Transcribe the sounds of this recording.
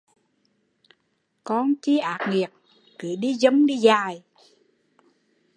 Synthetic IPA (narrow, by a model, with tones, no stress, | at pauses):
kɔ˧nt͡ɕi˧˦ʔaː˨˩k̚ŋi˨˩ək̚ | ki˨˦ɗi˧˦zə˨˦ŋ͡mɗi˧zaː˧˩j